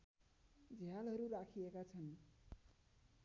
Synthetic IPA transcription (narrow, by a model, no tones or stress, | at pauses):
d͡zʱjalɦʌɾurakʰiekat͡sʰʌn